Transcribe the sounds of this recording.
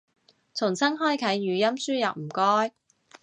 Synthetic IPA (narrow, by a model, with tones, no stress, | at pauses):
t͡sʰʊ˨˩ŋsɐ˥ŋɦɔː˥jkʰɐ˨˥jːyː˨˧jɐ˥msyː˥jɐ˨wm̩˨˩kɔː˥j